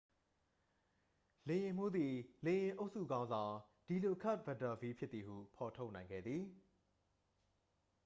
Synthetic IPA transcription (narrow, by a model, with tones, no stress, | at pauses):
le˨jɪ̃˨m̥u˦d̪i˨lẽ˨jɪ̃˨ʔo˦ʊʔsṵ˦˨ɡã˦ʊ̃nzã˨ʊ̃ | d̥i˨lo˨ʔkʰa˦˨ʔ̚bɛ˨ta˨vi˦pʰjɪ˦t̪t̪ːi˨hṵ˦˨pʰɔ˨tʰo˦ʊʔnã˨ɪ̃ŋɡɛ̰˦˨d̪ði˨